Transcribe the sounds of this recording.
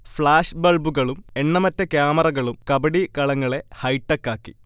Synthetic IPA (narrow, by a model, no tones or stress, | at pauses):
fɭaːʂbɐɭbuɣɐɭume̞ɳːɐmɐtːɐkjaːmɐrɐɣɐɭumkɐbɐɽikɐɭɐŋːɐɭe̞hɐjʈːɐkːaːkːḭ